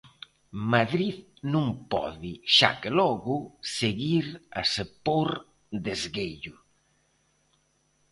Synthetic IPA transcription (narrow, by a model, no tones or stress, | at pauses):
maðɾið | nũŋpɔ̰ðɪʃa̰kelɔɣʊseɣiɾa̰sepoɾ | d̪ezɣeʎʊ